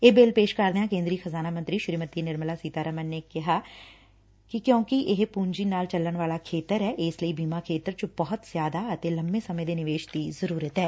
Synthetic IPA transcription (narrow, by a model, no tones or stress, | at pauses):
eːbeːlpeːʃkəɾd̪eːɦãːkẽːnd̪ɾiːxəzaːnaːmə̃nt̪ɾiːʃɾiːmət̪inɪɾmlaːsiːt̪aːɾəmənːeːkɪɦaː | kɪkjõːkiʔɪɦpuːɲd͡ʒiːnaːlt͡ʃəlːəɳʋaːlaːkʰeːt̪əɾɛːʔɪsləiːbiːmaːkʰeːt̪əɾt͡ʃəbɔɦʊt̪zjaːd̪aːət̪eːləmbẽːsəmẽːd̪eːnɪʋeːʃd̪iːzəɾuːɾət̪ɦɛː